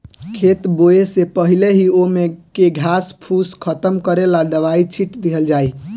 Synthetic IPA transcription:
kʰet̪boesepəɦileɦiomekeɡʱaspʰuskʰət̪əmkəɾelad̪əʋait͡ʃʰiʈd̪iɦəld͡ʒaːi

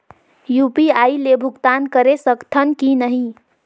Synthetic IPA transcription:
jupiailebʱuɡt̪ankəɾesəkt̪ʰənkinəɦĩ

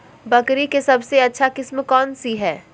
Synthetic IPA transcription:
bɐkɾikesɐbseɐtːʃʰakɪsmkɔːnsiɦɛː

